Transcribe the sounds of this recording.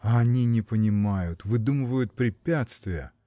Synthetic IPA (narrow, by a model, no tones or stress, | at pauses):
ɐɐnʲinʲɪpənʲɪmajʊt̪vɨd̪umɨvəjʊt̪̚pɾʲɪpʲat̪st̪vʲɪjə̰